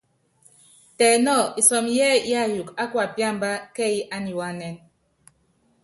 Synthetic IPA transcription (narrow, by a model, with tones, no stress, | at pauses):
tɛː˨nɔ˦˨i˨sɔ˨mjɛː˦ja˦ju˨ka˦kwa˨pja˦˨mba˦kɛ˦i˦ʔa˦ni˨wa˦nɛ˦n